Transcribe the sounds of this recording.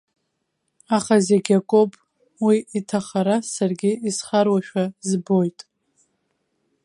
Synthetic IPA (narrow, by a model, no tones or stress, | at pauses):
aχazeɡʲakʷʼopʼ | wiitʰaχaɾasarɡʲɪisχarwaʃᶣazbo̞jtʼ